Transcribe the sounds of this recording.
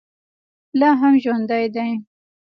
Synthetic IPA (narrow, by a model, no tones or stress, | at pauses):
lɑɦamʒwand̪ajd̪aj